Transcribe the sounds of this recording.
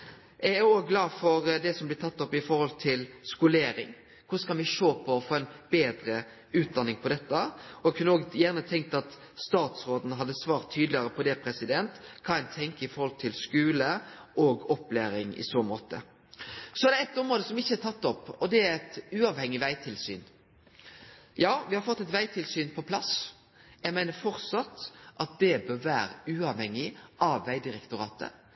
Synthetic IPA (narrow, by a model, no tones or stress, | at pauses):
ʔææoːɡɡlɑːfɔɾd̪ɛsɔmblɪt̪ʰɑt̪ːɔpːɪfɔɾhɔlt̪ʰɪlskʊleːɾɪ̰ŋ | kʰʊskɑnʋɪʂoːpʰɔɔfoːɛnbeːd̪ɾə | ʉːt̪̚d̪ɑnːɪŋpʰɔd̪ɛt̪ːəɔɛkʰʉnəoːɡjæʁnət̪ʰɛŋk̚t̪ɑt̪ | st̪ɑːt̪sɾoːd̪n̩ɦɑd̪ːəsʋɑːʁt̪ʰːyːd̪lɪəɾəpʰɔd̪ɛpʰɾɛsɪd̪ɛnt̪kʰɑɛnt̪ʰɛŋkəɪfɔɾhɔlt̪ʰɪlskʉːləʔɔːɡɔpːleːɾɪŋɪ̰soːmoːt̪ə̰ | sɔɛd̪ɛɛt̪ːɔmɾoːd̪əsɔmɪçːəɛt̪ʰɑt̪ːɔpːɔd̪ɛæɾɛt̪ʉːɑʋhɛŋːɪʋæɪt̪ʰɪlsy̰ːn | jɑːʋɪhɑɾfɔt̪ːɛt̪ʋæɪt̪ʰɪlsyːnpʰɔpʰlɑs | jæɪmæɪnəɾfɔɾt̪sɑt̪ʔɑt̪̚d̪ɛbøːʋæːɾə̰ʉːɑʋhɛŋːɪʔɑʋːæɪd̪ɪɾɛkt̪ʊɾɑːt̪ʰə̰